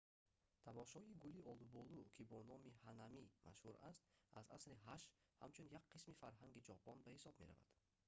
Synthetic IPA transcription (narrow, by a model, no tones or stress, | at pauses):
t̪ʰamɔʃɔiɡuliɔlubɔlukʰibɔnɔmihanamima̰ʃhuɾast̪aza̰sɾiɦaʃha̰mt͡ʃʰunjakqismifaɾɦaŋɡid͡ʒɔpʰɔnbahisɔbme̞ɾa̰va̰d̪̥